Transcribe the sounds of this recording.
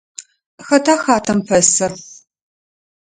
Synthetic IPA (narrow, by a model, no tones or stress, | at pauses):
xɐtʰaːxaːtʰɐmpʰɐsɐr